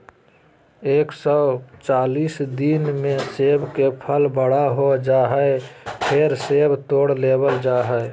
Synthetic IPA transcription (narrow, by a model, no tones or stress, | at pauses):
eːksɔt͡ʃaːliːsd̪inmẽseːbkepʰəlbəɽaɦod͡ʒaːɦəpʰeɾseːbt̪oːɽleːbəld͡ʒaːɦəe